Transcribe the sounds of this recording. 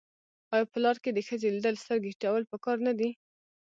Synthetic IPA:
ɑjɑpəlɑɾked̪əxəzelid̪əlst̪əɾɡeʈawəlpəkɑɾnad̪i

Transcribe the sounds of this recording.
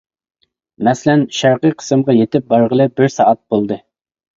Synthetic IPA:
mɛslɛnʃæɾqijqʰə̥sɨmʁɑjet̪ɪp̚bɑɾʁəlˠɨbɪɾsɑʔɑt̪̚bolˠd̪ɨ

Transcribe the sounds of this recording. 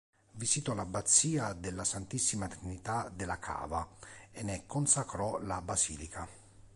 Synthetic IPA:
visit̪ɔlabat̪sːiːad̪ɛlːasant̪isːimat̪ɾinit̪ad̪ɛlakʰa̰ːvaɛnekʰːɔnsakɾɔlabasḭːlikʰa

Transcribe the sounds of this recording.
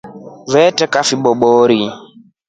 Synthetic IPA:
vɛtɛkafiɓɔɓɔɾi

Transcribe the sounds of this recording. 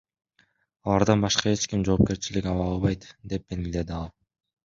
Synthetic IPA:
ɑlˠɑɾd̪ɑnbɑʃqɑe̞t͡ʃkʲimd͡ʒo̞ːp̚ke̞ɾt͡ʃilikʲɑlˠɑlˠβɑjt̪d̪e̞p̚ːenild̪e̞d̪ɪɑlˠ

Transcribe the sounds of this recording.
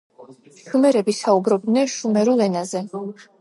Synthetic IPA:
xɨmɛɾɛbisaubɾɔbd̪nɛnʃumɛɾulɛnazɛ

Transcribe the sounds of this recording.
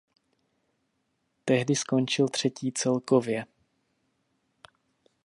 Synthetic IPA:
t̪ɛɦdɪsko̞nt͡ʃɪlt̪r̝̥ɛciːt͡sɛlkovjɛ

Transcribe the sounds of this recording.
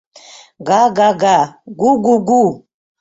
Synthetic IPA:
ɡaɡaɡaɡuɡuɡu

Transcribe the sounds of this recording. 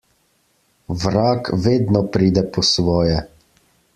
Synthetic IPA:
ʋɾaːkʋeːd̪nɔpɾiːd̪ɛpɔsʋɔːjɛ

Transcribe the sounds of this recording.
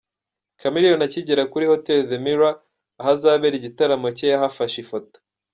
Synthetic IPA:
kamiɾijonaciɟeɾakuɾiho̞telðemiɾwaː | ɦazaβeɾiɟitaɾamo̞cejaɦafaʃifoto̥

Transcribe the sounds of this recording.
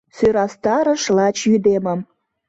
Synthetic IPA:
søɾɑst̪ɑɾə̆ʃlɑt͡ɕjyd̪emə̆m

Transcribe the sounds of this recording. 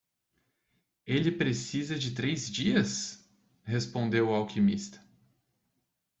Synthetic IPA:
elɪpɾesizɐd͡ʒɪt̪ɾejzd͡ʒiɐs | hespõnd̪ewawkʰimist̪ɐ̥

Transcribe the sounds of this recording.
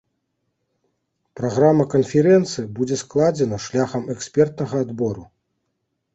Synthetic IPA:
pɾaɣɾamːɐkɐnfʲɛɾɛnt̪sɨjɐbud͡zʲɛsklˠad͡zʲɛnɐʂlʲaxɐmɛksʲpʲɛrt̪̚nɐɣɐːd̪bɔɾu

